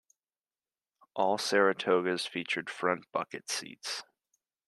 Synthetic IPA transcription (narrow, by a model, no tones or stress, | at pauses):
ʔɔlˠsɛɹɨtʰoʊɡɨz̥fit͡ʃə˞d̥fɹʌ̃nb̥ʌ̰kɨtsḭts